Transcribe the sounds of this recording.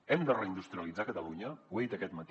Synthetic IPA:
ɛmd̪ərəind̪ust̪ɾiəlid͡zakət̪əluɲəwejd̪əkɛt̪mət̪

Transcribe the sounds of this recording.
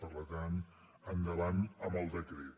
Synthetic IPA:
pərləɣan | ənd̪əβanəməlˠd̪əkɾe

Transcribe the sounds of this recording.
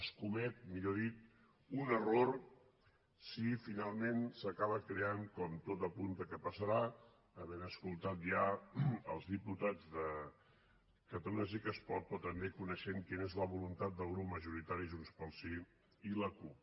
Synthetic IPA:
əskumɛt̪̚miʎoðit̪ | unəroɾ | sifinalˠmensəkaβəkɾeaŋkɔmt̪ot̪əpund̪əkəpəsəɾa | əβɛnəskulˠt̪at̪̚ʒaəlˠzðiput̪ad͡zðə | kət̪əlunəs̬ikəspɔt̪̚pɔt̪əmdekunəʃeŋkinezləβulunt̪at̪̚d̪əlˠɣɾupməʒuɾit̪aɾiʒunspəlˠsi | iləkup

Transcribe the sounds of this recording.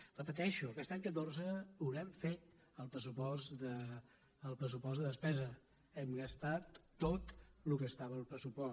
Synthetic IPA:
rəpət̪ɛʃuəkɛst̪aɲkət̪orzəuɾɛmfet̪ | əlˠpɾəsupɔsd̪ə | əlˠpɾəsupɔzd̪əðəspɛzə | ɛmɡəst̪at̪ːot̪lukəst̪aβəlˠpɾəsupɔ

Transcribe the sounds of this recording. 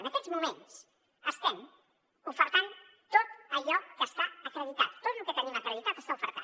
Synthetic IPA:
ənəkɛzmumens | əst̪ɛm | ufəɾt̪ant̪ot̪əʎɔkəst̪aəkɾəðit̪at̪ːot̪lukɛt̪əniməkɾəðit̪at̪əst̪aufə̰ɾt̪a̰

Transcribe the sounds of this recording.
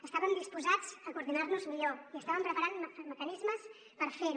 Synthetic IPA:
əst̪aβəmd̪ispuzad͡zəkuɾðinaɾnuzmiʎoiəst̪aβəmpɾəpəɾanmməkənizməs | pəɾfeɾu

